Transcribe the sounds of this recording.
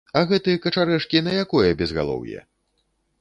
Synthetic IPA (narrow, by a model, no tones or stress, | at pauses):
ɐɣɛt̪ɨjɐkɐt͡ʂaɾɛʂkʲinɐjakɔjɐbʲɛzɣa̰lˠɔ̰wjɛ̰